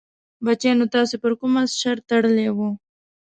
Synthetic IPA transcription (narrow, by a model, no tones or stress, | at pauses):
bat͡ʃenot̪ɑsepəɾkʊmasʃaɾt̪aɽəlewu